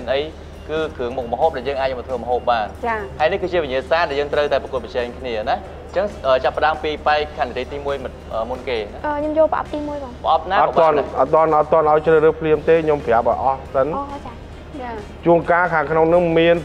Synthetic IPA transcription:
nʔəj | kɨːkʰɨəŋmuk̚məɦoːp̚ɗaɛljəːŋʔaːc̚mɔt̪ʰʋəːməɦoːp̚ɓaːnt͡ɕahanihkɨːt͡ɕiəʋiɲiəsaːɗaɛljəːŋt̪rəwt̪aɛprəkuət̪̚p̚ət͡ɕɛːŋkʰniəna | t͡ɕəŋʔəːt͡ɕapːə̆ɗaəmpiːpaɛk̚ʰːanit̪eːjt̪iːmuəjmɨt̪̚ʔəːmunkeːnaʔəːɲomjoəlpə̆ʔɑ̰p̚t̪iːmuəjpɑːŋpə̆ʔɑp̚naːɑk̪ːɓŏənʔɑt̪̚ːŏənʔɑt̪ːŏənʔaɔjt͡ɕrəːhɾɨːəhpʰliəmt̪eːɲompʰjaəp̚ʔə̰ʔɑhsənːa | t͡ɕa | t͡ɕuənkaːkʰaːŋkʰnoŋnɨŋmiən

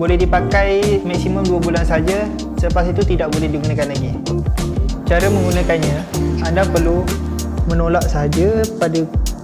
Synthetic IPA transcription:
bolɛɦdipakajmaksiməmduabulansəɦad͡ʒa | sələpasit̪ut̪idaʔbolɛhdiɡunãkanlaɡi | t͡ʃaɾamə̃ŋɡunãkanɲãandapərlu | mə̃nolaʔsəɦad͡ʒapada

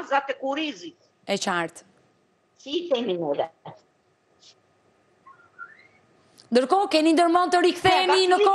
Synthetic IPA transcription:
zat̪ɛkuɾizit̪ | ɛt͡ʃaɾt̪ | sit̪ɛminulɛ | nd̪əɾkɔkɛnind̪əɾmɔnt̪əɾikθɛninəkɔ

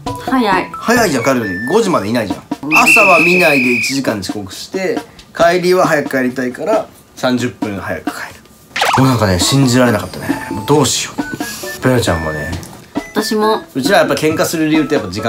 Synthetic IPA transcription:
hajhajaiʑãŋkaɾɯoɡo̞ʑimad̪e̞inaiʑã̰ŋasaβamʲinaid̪e̞it͡ɕiʑikãɲ̟d͡ʑi̥ko̞kɯ̟̥ɕi̥t̪e̞kʰaiɾʲiβaɦajakɯ̟̥kʰaeɾʲit̪aikaɾa | sãɲ̟d͡ʑɨpːɯ̟̃ɰhaja̰kɯ̥kʰaeɾɯ̟̥ | joːnãŋkane̞ɕĩɲd͡ʑiɾaɾe̞nakat̪ːanemd̪o̞ːɕi̥opeat͡ɕã̰mma̰nḛat̪aɕimoot͡ɕiɾaβajapːaikẽ̞ŋkasɨɾɯ̟ɾʲiɯ̟t̪ːojapːad͡ʑikã

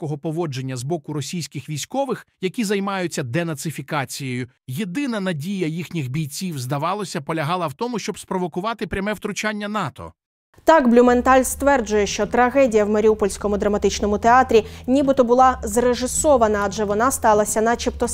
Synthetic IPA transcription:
kɔɦɔpɔʋɔd͡ʒe̞nʲːɐzbɔkʊɾɔsʲijsʲkɪxʋʲijsʲkɔʋɪxjɐkʲizɐjmɑjʊt͡sʲːɐd̪ɛnɐt̪sɪfʲikɑt͡sʲijɔjʊ | jed̪ɪnɐnɐdʲijɐjixnʲixbʲijt͡sʲiwzd̪ɐʋɑlˠɔsʲɐpɔlʲɐɦɑlˠɐwt̪ɔmʊʃt͡ʃɔbspɾɔʋɔkʊʋɑt̪ɪpɾʲɐmɛwt̪ɾʊt͡ʃanʲːɐnɑt̪ɔ̰ | t̪ɑkblʲʊment̪ɑlʲst̪ʋɛrd͡ʒʊjɛʃt͡ʃɔt̪ɾɐɦɛdʲijɐwmɐɾʲiupɔlʲsʲkɔmʊd̪ɾɐmɐt̪ɪt͡ʃnɔmʊt̪eɑt̪ɾʲinʲibɪt̪ɔbʊlˠɑzreʐɪsɔʋɐnɐːd͡ʒɛʋɔnɑst̪ɑlˠɐsʲɐnɐt͡ʃipt̪ɔ

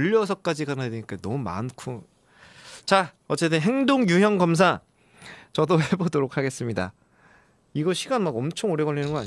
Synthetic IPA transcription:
ʎːʌsʰʌk͈ad͡ʑiɡanadweɲik͈anʌmuma̰nkʰu | t͡ɕaʌt͡ɕ͈et͈ɯnɦe̞ŋdoŋjujʌŋɡʌms̬ʰa | t͡ɕʌdowebodoɾokʰaɡe̞s͈ɯmɲida̰ | iɡʌɕʰiɡanmaɡʌmt͡ɕʰoŋoɾjʌɡʌʎːinɯnɡʌaɲ

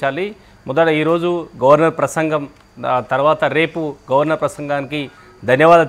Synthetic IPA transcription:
t͡ʃaːli | mɔd̪ɐɽɐiːɾo̞ːd͡ʒuɡɐʋɐɾnɐɾpɾɐsɐŋɡɐm | t̪ɐɾuʋaːt̪ɐɾe̞ːpuɡɐʋɐɾnɐɾpɾɐsɐŋɡaːniki | d̪ʱɐnjɐʋaːd̪ɐ

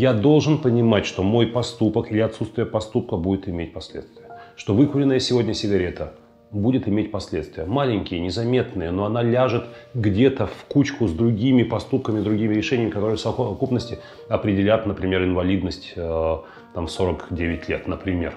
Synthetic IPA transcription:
jad̪o̞lˠʐɨnpənʲɪmatʲʂt̪o̞mo̞jpɐst̪upəkɪlʲɪɐt̪sut̪st̪vʲɪjəpɐst̪up̚kəbudʲɪt̪ɪmʲet̚ʲpɐsʲlʲḛt̪st̪vʲɪjəʂt̪o̞vɨkʊlʲɪnəjəsʲɪvo̞dʲnʲəsʲɪɡɐɾʲe̞t̪ʰə | budʲɪt̪ɪmʲetʲpɐsʲlʲet̪st̪vʲɪjəmalʲɪnʲkʲɪjənʲɪzɐmʲe̞t̪nɨjəno̞ɐnalʲaʐɨt̪ | ɡdʲe̞t̪əfkut͡ɕkʊzd̪ɾʊɡʲimʲɪpɐst̪up̚kəmʲɪzd̪ɾʊɡʲimʲɪɾʲɪʂɛnʲɪjəmʲɪkɐt̪o̞ɾɨəsəvɐɐkupnəsʲtʲɪ | ɐpɾʲɪdʲɪlʲat̪nəpɾʲɪmʲe̞ɾɨɪnvɐlʲid̪nəsʲtʲə | t̪amso̞ɾəkdʲevʲɪtʲlʲe̞t̪nəpɾʲɪmʲe̞̰r

